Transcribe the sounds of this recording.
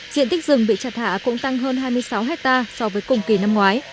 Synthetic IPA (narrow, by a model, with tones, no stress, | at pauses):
zḭ˧ənt̪i˦˥k̟̚zɨ˨˩ŋɓḭ˧˨t͡ɕaː˨˩t̪̚ʰa̰ː˧˩˨kʊ̰˧˥ŋ͡mt̪a˧ŋɦəː˧nɦaː˧jmɨ˧əjsa˨˦wɦɛ˦˥k̚t̪aː˧sɔ˧vəː˨˦jkʊ̰˨˩ŋ͡mki˨˩na˧mŋwaː˨˦j